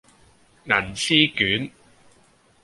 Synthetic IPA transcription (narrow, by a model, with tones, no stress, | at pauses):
ŋɐ˨˩nsiː˥kyː˨˥n